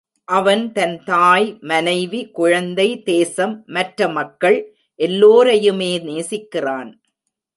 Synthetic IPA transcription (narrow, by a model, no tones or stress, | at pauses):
ʔɐʋɐnt̪ɐnt̪aːjmɐnɐɪʋikʊɻɐnd̪ɐɪd̪eːsɐmːɐʈrɐmɐkːɐɭ | ʔɛlːoːɾɐjɯmeːneːsɪkːɪraːn